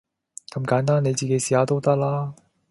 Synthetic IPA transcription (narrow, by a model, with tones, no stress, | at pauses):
kɐ˨˩mkaː˨˥nt̪̬aː˥ne˨˧jt͡ɕi˨ke˨˧jsiː˨aː˨˧˥t̪o˥wt̪ɐ˥k̚laː˥